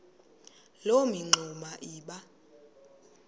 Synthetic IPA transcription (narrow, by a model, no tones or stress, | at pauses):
lomiŋ͡ǃʱumaʔiːɓa